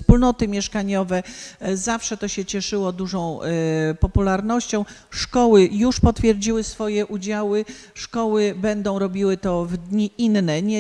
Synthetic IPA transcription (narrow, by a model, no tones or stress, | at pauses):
spulnɔt̪ɘmʲjɛʂkaɲɔvɛzafʂɛt̪ɔɕɛt͡ɕɛʂɘwɔd̪uʐɔ̃w̃pɔpulaɾnɔɕt͡ɕɔ̃w̃ʂkɔwɘjuʂpɔt̪fʲjɛɾd͡ʑiwɘsfɔjɛʔud͡ʑawɘʂkɔwɘbɛnd̪ɔ̃w̃ɾɔbʲiwɘt̪ɔvd̪ɲiʔinːɛɲɛ